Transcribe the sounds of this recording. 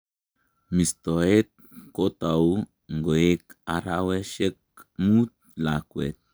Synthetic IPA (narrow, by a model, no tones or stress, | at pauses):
mist̪oet̪̚kot̪aw | ŋɡoekaɾaweʃek̚ | mut̪̚ | lakwḛt̪̚